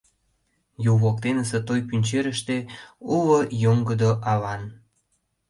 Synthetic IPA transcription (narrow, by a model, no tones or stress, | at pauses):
juβok̚t̪enəsət̪ojpynʲt͡ɕeɾəʃt̪eulojoŋɡəd̪oʔɑlɑn